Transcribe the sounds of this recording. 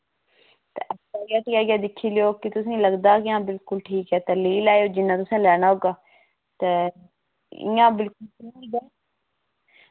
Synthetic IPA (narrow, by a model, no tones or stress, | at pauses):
t̪ḛːʔɛaːɡaːʈ̪iaːɡjaːd̪ɪkʰːiːlɪoːkɪt̪ʊsĩːləɡd̪aːkɪãːbɪlkʊlʈʰiːkɛːt̪əliːlaːejoːd͡ʒɪnːãːt̪ʊsãːlɛːɽ̃aːɦoːɡaː | t̪eː | ɪ̰jãːbɪlkʊlkĩɡɛː